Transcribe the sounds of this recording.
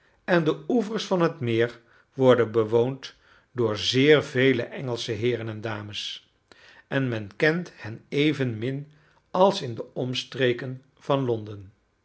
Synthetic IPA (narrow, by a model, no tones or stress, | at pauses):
ɛndəuvəɹsfɑnɦətmɪːɹ | ʋɔɹdənbəʋownt | dʊːɹzɪːɹvejləʔɛŋəlˠsəɦɪːrənɛndaːməs | ɛnmɛnkɛnthɛnejvənmɪn | ɑlˠsɪndəɔmstrejkən | v̥ɑnlɔndən